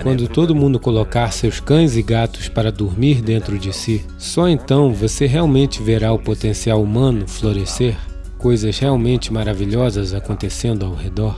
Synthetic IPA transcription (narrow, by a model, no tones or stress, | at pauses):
kwɐ̃nd̪ʊt̪od̪ʊmũd̪ʊkolokaɾsewskɐ̃j̃zɪɡat̪ʊ̥spaɾɐd̪uɾmiɾd̪ẽnt̪ɾʊd͡ʒɪsi | sɔẽnt̪ɐ̃w̃voseɦeawmẽnt͡ʃɪveɾaʊpot̪ẽsiawumɐ̃nʊfloɾeseɾ | kojzɐzheawmẽnt͡ʃɪmaɾaviʎɔzɐzakõnt̪esẽnd̪ʊawhed̪ɔɾ